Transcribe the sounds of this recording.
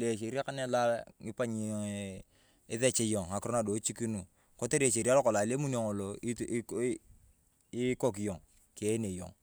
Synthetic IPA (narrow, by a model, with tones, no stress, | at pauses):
le˨ʃ̬e˨ɾi˦ka˦ne˦la˦ŋi˦pa˦ɲi˨ | ɪ˦ðe˦t͡ʃe˦jo˨ŋa˨kɾo˦na˨do˨˦t͡ʃi˦ki˦nu˨ | ko˦te˦ɾi˦e˨ʃe˨ɾi˦a˦lo˦ko˨la˨le˦mu˦n˦o˨ŋo˨lo˨˦ | i˦ko˦˨k̬i˨jo˨ŋ | ke˦ne˨jo̰˨ŋ